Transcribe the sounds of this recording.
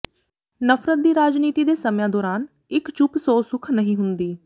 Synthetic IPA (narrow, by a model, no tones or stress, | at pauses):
nəfʰɾət̪̚d̪iːɾaːd͡ʒniːt̪iːd̪eːsəmjãːd̪oːɾaːn | ɪkt͡ʃʊpsoːsʊkʰnəɦĩːɦʊnd̪iː